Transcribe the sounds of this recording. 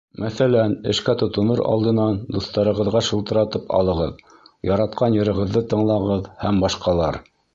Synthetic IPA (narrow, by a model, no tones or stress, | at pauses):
mʔæθælænɘ̆ʃkæt̪ŏt̪ŏnɤɾɑ̰lˠd̪ɤ̆nɑnd̪uθt̪ɑɾɤ̆ʁɤ̆ðʁɑʃɤ̆lˠt̪ɤ̆ɾɑt̪ɤpɑ̰lˠɤ̆ʁɤð | jɑɾɑt̪̚qʰɑnjɤ̆ɾɤ̆ʁɤ̆ðːɤt̪ɤ̆ɴlˠɑʁɤðhæmbɑʃqɑlˠɑɾ